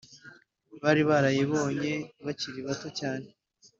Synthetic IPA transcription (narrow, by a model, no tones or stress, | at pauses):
βaːɾiβaɾajeβo̞ːɲe̞βaciɾiβatocaːne̞